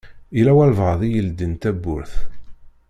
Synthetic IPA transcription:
ilæwælvʁðˤijəld̪ənt̪æbːʊ̰ɾθ

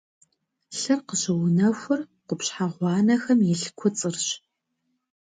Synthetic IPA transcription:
ɬɨrqəʑɐwʊnɐxʷʊr | qʷʊpɕħaʁʷɑːnɐxɐmjɪɬkʷʰʊt͡sʼɨrɕ

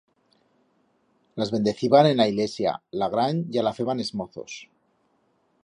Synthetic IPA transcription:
lazβe̞nd̪e̞θiβanenlaiɣle̞sja̰laɣɾaɲʝalafe̞βane̞zmoθo̰s

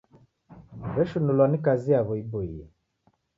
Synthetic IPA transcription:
βɛʃunulwanikaziaβɔiboijɛ

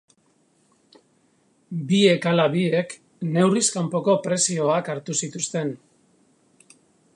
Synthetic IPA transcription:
bie̞kalaβie̞k | ne̞wriskampo̞ko̞pɾe̞sio̞akaɾt̪usit̪ust̪e̞n

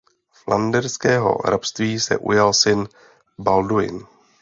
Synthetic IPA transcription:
flʔandɛɾskɛːɦo̞̰ɾapst̪viːsɛ̰ʔṵjalsɪn | baldujɪ̰n

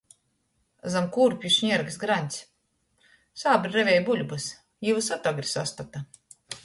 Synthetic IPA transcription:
zamkuɾpʲjuʃɲiɛɾɡsɡɾanʲt̪sʲ | saːbɾɾɛvʲɛjbulʲbɨs | jivɨsat̪ɔɡɾisa̰st̪at̪a

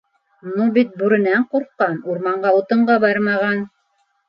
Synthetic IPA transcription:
nubit̪̚buɾɘ̆næɴquɾqːɑnuɾmɑɴɢɑut̪ɤ̆ɴɢɑbɑjɾmɑʁɑn

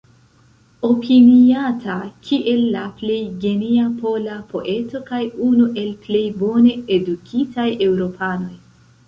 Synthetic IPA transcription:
o̞pʰiniatʰakʰiʔe̞lːaple̞jɡe̞niapo̞lapʰo̞̰ʔe̞to̞kajunuʔe̞lple̞jbo̞ne̞edukʰitaje̞wɾo̞pʰano̞j

